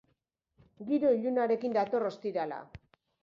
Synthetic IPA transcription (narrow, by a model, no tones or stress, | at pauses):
ɡiɾo̞iʎunaɾe̞kind̪at̪o̞ro̞st̪iɾala̰